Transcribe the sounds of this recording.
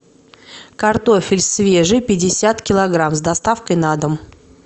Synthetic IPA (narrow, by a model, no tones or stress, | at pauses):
kɐrt̪o̞fʲɪlʲsvʲe̞ʐɨpʲɪdʲɪsʲat̪kʲɪlˠɐɡɾamzd̪ɐst̪afkəjnad̪əm